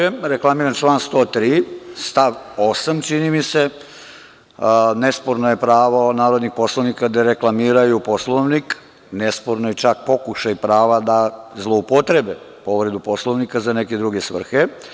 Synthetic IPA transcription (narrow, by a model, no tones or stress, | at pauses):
eɾeklˠamiːɾant͡ʃlaːnst̪o̞ːt̪ɾiːst̪aʋo̞samt͡ʃinimise̞ | nespoɾnoje̞pɾaːʋonaːɾod̪nixpo̞slˠoʋnikad̪eɾe̞klˠamiːɾajupo̞slˠoʋnik | nespoɾnojet͡ʃak̚po̞kuʃajipɾaːʋad̪azlˠoupot̪ɾebe | po̞ʋɾe̞d̪upo̞slˠoʋnikazaneke̞d̪ɾuɡe̞sʋr̩xe